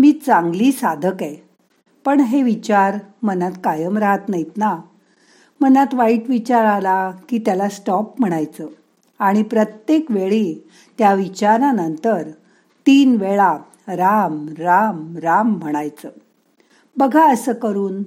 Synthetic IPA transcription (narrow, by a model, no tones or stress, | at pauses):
miːt͡sãŋɡliːsad̪ʱəkɛ | pəɳɦeʋit͡ɕaɾmənat̪kajəmɾaɦət̪najit̪na | m̤ənat̪ʋaiʈʋit͡ɕaɾalakiːt̪jalasʈɔpm̤əɽ̃ajt͡səː | aɽ̃ipɾət̪jekʋeɭiː | t̪jaʋit͡ɕaɾanənt̪əɾ | t̪iːnʋeɭa | ɾamɾamɾamːəɽ̃ajt͡səː | bəɡʱaəsəːkəɾuːn